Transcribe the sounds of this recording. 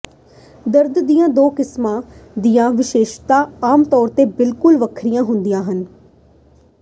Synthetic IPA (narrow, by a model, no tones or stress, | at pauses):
d̪əɾd̪d̪ijãːd̪oːkɪsmãːd̪ijãːʋɪʃeːʃt̪aːaːmt̪ɔːɾt̪eːbɪlkʊlʋəkʰɾɪjãːɦʊnd̪ijãːɦən